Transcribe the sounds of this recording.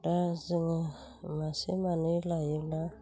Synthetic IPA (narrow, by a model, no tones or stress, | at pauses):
daziŋa | masḛmanilajila